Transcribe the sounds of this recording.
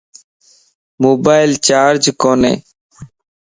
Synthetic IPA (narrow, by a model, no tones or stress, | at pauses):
moːbaːɪlt͡ʃaːɾd͡ʒkoːnḛ̃ː